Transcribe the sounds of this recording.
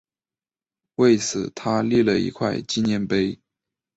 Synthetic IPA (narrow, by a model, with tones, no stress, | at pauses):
we˥˩ɪt͡sʰɹ̩˨˩t̪ʰa˥li˥˧lə˨˩ḭ˧˥kʰwa˥˧ɪt͡ɕi˥˧njɛ˥˩npe˥ɪ